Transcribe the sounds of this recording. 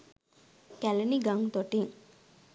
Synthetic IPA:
kæleniɡaŋt̪oʈiŋ

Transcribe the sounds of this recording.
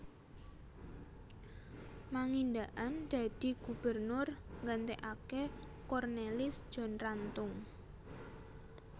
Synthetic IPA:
maŋind̪aʔand̪̥a̤d̪̥i̤ɡ̥ub̥ərnʊrŋɡənt̪eʔake | kɔrnelɪsd̥ʒ̥ɔ̤nrant̪ʊŋ

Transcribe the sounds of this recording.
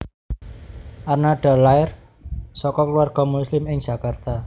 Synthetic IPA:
ʔarnaɖ̥a̤laɪr | sɔkɔkəluarɡ̥ɔ̤muslɪmɪŋ̥ʒ̥a̤kart̪a

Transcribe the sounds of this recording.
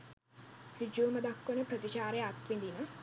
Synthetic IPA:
hid͡ʒuːməd̪akːonəpɾət̪it͡ʃaːɾeat̪ʋind̪inə

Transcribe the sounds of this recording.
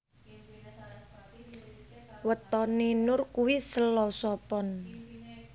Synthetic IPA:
wət̪ɔninʊrkuwisəlɔsɔpɔn

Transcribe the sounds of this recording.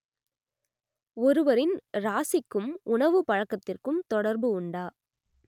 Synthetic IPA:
ɔɾɯʋɐɾɪnɾaːsɪkːɯmʊɳɐʋɯpɐɻɐkːɐt̪ːɪrkɯmt̪ɔɽɐɾbɯʊɳɖaː

